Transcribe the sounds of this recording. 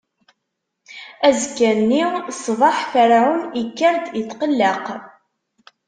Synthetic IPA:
æzkːænːisˤvˤɑħfəɾʕunikːəɾd̪it̪ːqəlːəq

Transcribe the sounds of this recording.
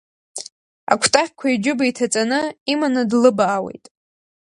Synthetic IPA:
a̰kʷʰtʼaχʲkʷʰaid͡ʒʊbaitʰat͡sʼanɨimanɨdlɨbaːwḛjtʼ

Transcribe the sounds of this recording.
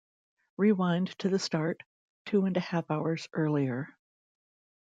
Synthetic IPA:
ɹiwãɪ̃ntʰɨðɨstɑɹtʰ | ʉɨ̃ndɨhæfaʊə˞z̥ʔɜ˞lˠiə˞

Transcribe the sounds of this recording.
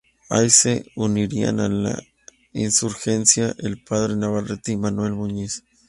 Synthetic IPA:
a̰jseuniɾia̰nala̰ | insuɾxensjaʔelpaðɾenaβaret̪imanwelmuɲis

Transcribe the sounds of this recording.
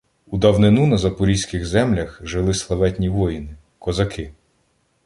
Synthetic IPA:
ud̪ɐwnɪnunɐzɐpʊɾʲijsʲkɪɣzɛmlʲɐxʒɪlˠɪslˠɐʋɛtʲnʲiʋɔjinɪ | kɔzɐkʰɪ

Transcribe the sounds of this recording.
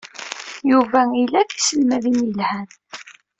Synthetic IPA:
juvæilækisəlmæðinjəlhæn

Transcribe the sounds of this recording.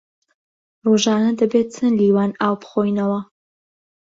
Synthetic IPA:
ruːʒaːnɐd̪ɐbeːt̚t͡sʰɨnliːwaːnaːwpχoːjnɐwɐ

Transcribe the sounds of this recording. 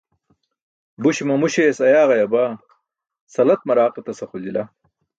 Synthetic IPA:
buɕimɐmuɕesɐjaːɣɐjɐba | sɐlɐt̪̚mɐɾaːqet̪ɐsɐxulila

